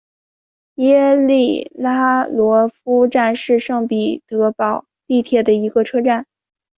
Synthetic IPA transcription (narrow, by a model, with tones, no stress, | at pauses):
jɛ˥li˥˩la˥lwɔ˧˥fu˥ʈ͡ʂa˥˧nʂɻ̩˥˧ʂɤ˥˩ŋpi˨˩t̪ɤ˧˥pɑ˨˩˦ʊ | t̪i˥˧t̪ʰjɛ˥˩d̪ə˩i˧˥ɡə˧ʈ͡ʂʰɤ˥ʈ͡ʂa˥˩n